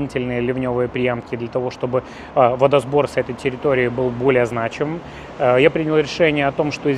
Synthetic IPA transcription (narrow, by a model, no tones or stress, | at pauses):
nʲitʲɪlʲnɨjəlʲɪvnʲo̞vɨjəpɾʲɪjamkʲɪd̪lʲət̪ɐvo̞ʂt̪o̞bɨ | vəd̪ɐzbo̞rsʲɛt̪əjtʲɪɾʲɪt̪o̞ɾʲɪɪbɨlˠbo̞lʲɪjəznat͡ɕɪmɨm | japɾʲinʲɪlˠɾʲɪʂɛnʲɪjəɐt̪o̞mʂt̪o̞ɪzʲ